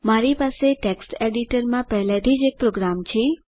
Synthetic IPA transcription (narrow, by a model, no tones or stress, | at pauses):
maɾipaseʈeksʈeɖiʈəɾmãpɛɦlat̪ʰid͡ʒek̚pɾoɡɾamt͡ʃʰe